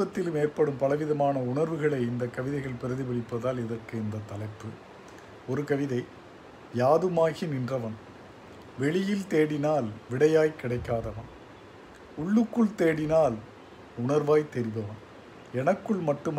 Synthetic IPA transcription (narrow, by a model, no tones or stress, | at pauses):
ɐt̪ːɪlɯmeːrpɐɽɯmpɐlɐʋɪðɐmaːnɐʊɳɐɾʋɯɣɐɭɐɪɪnd̪ɐkːɐʋɪðɐɪɣɐɭpɪɾɐðiʋɪɭɪpːɐðaːlɪðɐrkɯɪnd̪ɐt̪ːɐlɐɪpːɯ | ɔɾɯkɐʋɪðɐɪ | jaːðɯmaːɣinɪndrɐʋɐn | ʋɛɭɪjɪlt̪eːɽɪnaːlʋɪɽɐjaːjkɪɽɐɪkːaːðɐʋɐn | ʊɭːɯkːɯɭt̪eːɽɪnaːl | ʊɳɐɾʋaːjt̪ɛɾɪʋɐʋɐn | ɛnɐkːɯɭmɐʈːɯm